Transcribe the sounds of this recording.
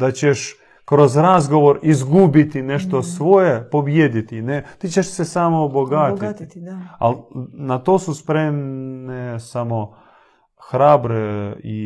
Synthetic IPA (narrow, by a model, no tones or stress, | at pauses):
d̪̥at͡ɕeʃ | kɾozɾazɡoʋo̞ɾizɡubit̪ineʃt̪osʋojepo̞bjed̪it̪inet̪iːt͡ʃeʃsesamoboɡat̪i | a̰lnat̪oːsuspɾemnesamo | xɾaːbɾei